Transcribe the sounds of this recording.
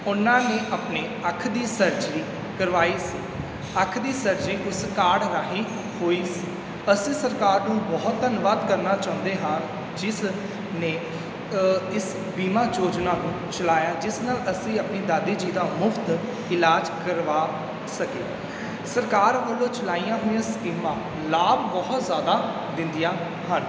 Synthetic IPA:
ʊnãːneːʔapneːəkʰːd̪iːsəɾd͡ʒiː | kəɾʋaːiːsiː | əkʰd̪iːsəɾd͡ʒiːʔʊskaːɽɾaːɦiː | hoːiːsiː | əsĩːsəɾkaːɾnũːbɔːt̪ːənʋaːd̪kəɾnaːt͡ʃãːʊ̃nd̪eːɦan | d͡ʒɪs | neː | ɪs | biːmãːd͡ʒoːd͡ʒnaːnũː | t͡ʃəlaːjaːd͡ʒɪsnaːləsĩːəpniːd̪aːd̪iːd͡ʒiːd̪aːmʊpʰt̪ | ɪlaːd͡ʒkəɾʋaː | səkeː | səɾkaːɾʋəlːõːt͡ʃəlaːijãːɦoːãɪsbiːmãː | laːbbɔːt̪zjaːd̪aː | d̪ɪ̃nd̪ijãː | ɦən

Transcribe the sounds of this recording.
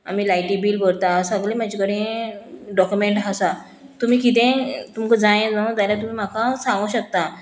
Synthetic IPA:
a̰miːlajʈibiːlbəɽt̪asəɡlẽmad͡ʑikəɽẽ | ɖɔkjumeɳʈɦasa | t̪um̤iːkit̪ẽt̪umkəd͡zãjẽd͡zãd͡zajlat̪̬um̤iːm̤akãsãŋɡũɕək̚t̪a

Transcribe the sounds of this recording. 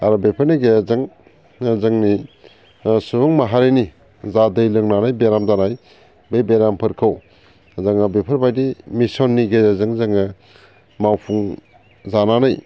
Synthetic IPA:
aɾɔbepʰəɾniɡeazɯŋ | zɯŋni | subuŋmaɦaɾeni | zadɯjlɯŋnanajbeɾamzanaj | bejbeɾampʰɯɾkʰɯw | zaŋabepʰɯɾbajdimisɔnːiɡejazɯŋzɯŋɯ | mawpʰuŋ | zananaj

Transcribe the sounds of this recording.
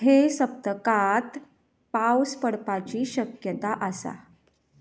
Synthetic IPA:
ɦesəp̚t̪əkat̪ | pawspəɽpat͡ɕiːɕəkjət̪aʔəsa̰

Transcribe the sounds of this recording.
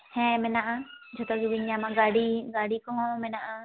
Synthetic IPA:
hɛ̃mɛnaʔad͡ʒɔt̪ɔɡiwiɲamaɡaɖiɡaɽikɔŋɔmɛnaʔa

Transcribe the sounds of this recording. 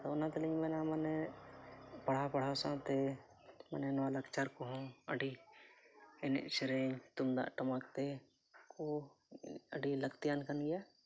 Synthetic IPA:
t̪oʊnãt̪limɛ̃ːnamɛːne | pəɽ̤apəɽ̤asãt̪e | mɛːnenʋaləkt͡ʃaɾkoɦõəɖi | ɪnḛt͡ʃɾeːɲt̪ʊmd̪a̰ʔʈəmaːkt̪e | ko | əɖiləkt̪ijaːnkənɡɛː

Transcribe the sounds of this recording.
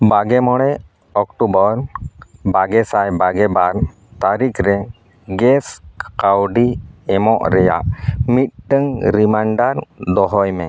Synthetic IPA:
baɡɛmɔɽɛ | ɔkʈubɔɾbaɡɛsajbaɡɛbaɾ | t̪aɾikʰɾɛ | ɡɛskawɖiɛmɔʔɾɛja̰ʔmit̪̚ʈəŋɾimaɳɖaɾd̪ɔɦɔjmɛ

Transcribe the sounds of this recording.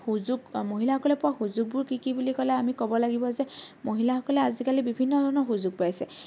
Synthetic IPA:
xuzuɡmoɦilaxɔkɔlɛpʊɹaxuzuɡ̚bʊɹkikibulikɔlɛamikɔbɔlaɡibɔzɛmoɦilaxɔkɔlɛazikalibibʱinːɔdʱɔnɔxuzuɡ̚pajsɛ

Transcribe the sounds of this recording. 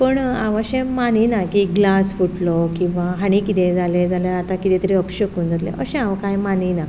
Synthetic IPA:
pəɳa̰ʋaɕẽmaninakiɡlasfuʈlɔkĩw̃ʋaɦaɽ̃ikit̪ẽd͡zaled͡zaljaɾat̪akit̪ẽt̪əɾiəpɕəkuːnd͡zat̪lḛ̃ʔəɕẽaʋkajmanina

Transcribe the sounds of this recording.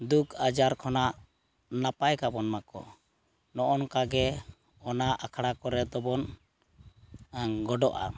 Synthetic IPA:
d̪ukʰad͡ʒaɾkʰɔnaʔ | napajkabɔnmakɔ̰ | nɔʔɔnkaɡɛ | ɔnaʔakʰɽakɔɾɛd̪ɔbɔn | ɡɔɖɔʔa̰

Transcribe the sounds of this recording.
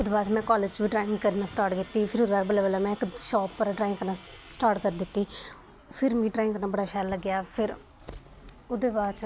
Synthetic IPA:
ʊd̪baːt͡ʃmɛ̃ːkɔːleːd͡ʒʋiːʈɾaːɪŋkəɾnãːsʈaːɾʈkɪt̪ːiːpʰɪɾʊd̪baːɾbəleːbəːlaːmɛ̃ːɪkʃɔːpːəɾɖɾaːɪ̃ŋɡkəɾnaːsʈaːʈkəɾd̪ɪt̪ːiː | pʰɪɾmĩːʈɾaːɪŋɡkəɾnãːbəɽaːʃaːlːəɡːjaːpʰɪɾ | ʊd̪eːbaːt͡ʃ

